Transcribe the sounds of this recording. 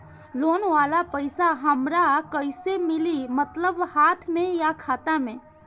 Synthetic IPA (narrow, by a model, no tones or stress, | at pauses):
loːnʋaːlapəɪsaɦəmɾakəɪsemɪlimət̪ləbhaːt̪ʰmẽjakʰaːt̪amẽ